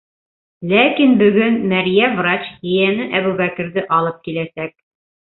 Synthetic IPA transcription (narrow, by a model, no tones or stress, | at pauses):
lækinbɵ̆ɡɵnmæɾjævrat͡ɕhɘ̆jænɘʔæβʉβækɘ̆ɾðɘʔɑlˠɤp̚kilæsæk̚